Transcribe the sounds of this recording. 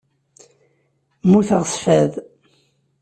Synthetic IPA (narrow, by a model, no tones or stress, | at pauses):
muθəʁəsfæð